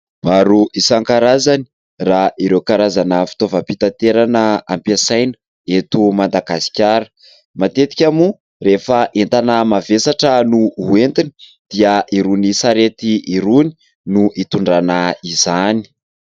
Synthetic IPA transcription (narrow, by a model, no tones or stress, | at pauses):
maɾuʔisaŋkaɾazani̥ | raiɾewkaɾazanəfi̥t̪ovəpit̪at̪eɾanəampasajnə̥ | et̪umand̪aɡasi̥kʲaɾə̥ | mat̪et̪i̥kʲamu | refəʔent̪anəmavesaʈ͡ʂənuuent̪ini̥d̪̥iəiɾunisaɾet̪iiɾuni | nuʔit̪uɳɖ͡ʐanaizani̥